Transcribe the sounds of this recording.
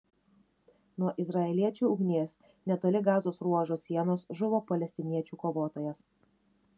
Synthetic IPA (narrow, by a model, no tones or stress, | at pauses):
nuɔʔɪzɾɐɛlʲiɛt͡ʃʲuːʊɡnʲeːs | nʲɛt̪oːlʲɪɡɑːzoːsɾuɔʒoːsʲːiɛnoːsʒʊʋoːpɐlʲɛsʲt̪ʲɪnʲiɛt͡ʃʲuːkoːʋoːt̪oːjɛs